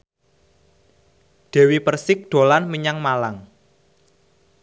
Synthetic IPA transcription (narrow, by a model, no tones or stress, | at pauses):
d̪̥ɛ̤wipərsɪk̚d̪̥o̤lanməɲaŋmalaŋ